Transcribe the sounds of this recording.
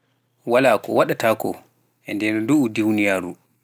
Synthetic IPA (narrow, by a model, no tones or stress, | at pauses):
walaːkɔ̰waɗatakɔ̰ | ʔɛndɛnɔduːdewnijaːɾu